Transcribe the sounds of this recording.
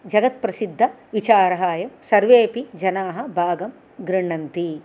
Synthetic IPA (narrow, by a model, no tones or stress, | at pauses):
d͡ʒɐɡɐt̪̚pɾɐsid̪ʱːɐʋit͡ʃaːɾɐɦaːjɐmsɐɾʋeːpid͡ʒɐnaːɦɐ̆bʱaːɡɐm | ɡɾiɳɐnt̪i